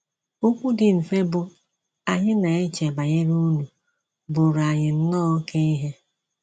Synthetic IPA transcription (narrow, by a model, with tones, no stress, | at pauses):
u˦kʷu˦dɪ˨m̩˨fe˦bʊ˨ | a˨ɲɪ˦na˨e˦t͡ʃe˨ba˨ɲe˦ɾu˦nu˨ | bʊ˨ɾa˨ɲɪ˨n̩˦nɔ˦ke˦i˦ɦe˦